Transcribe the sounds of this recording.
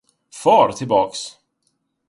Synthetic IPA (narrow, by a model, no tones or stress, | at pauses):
fɑːɾt̪ʰɪlbɑːks